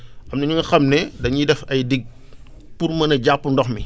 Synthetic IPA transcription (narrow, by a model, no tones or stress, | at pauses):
ʔɐmnɐɲuŋɡɐxɐmnɛdɐɲidɛfɐjdiɡ̚ | purmɐnɐɟapːundɔxmi